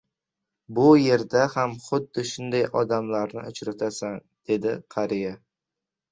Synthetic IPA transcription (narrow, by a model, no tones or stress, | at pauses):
bʊje̞ɾd̪ahamχʊd̪ːɪʃʊnd̪ajɒd̪amlaɾnɪ̰ʔʊt͡ʃɾat̪ʰasan | d̪̥e̞d̪ɪqʰɑɾija